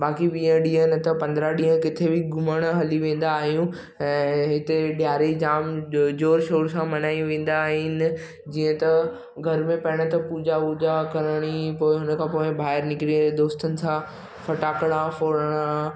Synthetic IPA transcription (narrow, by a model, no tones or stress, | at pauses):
baːkiʋiːə̃ɗĩːənɪt̪ɐpɐ̃nd̪ɾaɗĩːɦə̃kɪt̪ʰebʱɪɡʱʊməɽ̃ɦɐliʋẽːn̆d̪aːɦijũ | ɛ̃ːɦɪt̪eɗjaːɾid͡ʑaːmd͡ʑoːɾʃoːɾsãmɐnaːiũʋẽːn̆d̪aːɦɪnɪ̆ | d͡ʑiːə̃t̪ɐ | ɡʱɐɾmẽpɐɽ̃ət̪ɐpuːd͡ʑauːd͡ʑakɐɾəɽ̃ipoːɪɦʊnəkʰãːpoːɪ̃bʱaːɪɾnɪkɪɾiə̃d̪oːst̪ənɪ̆sã | fʰɐʈaːkəɽ̃ãfoːɾəɽ̃ã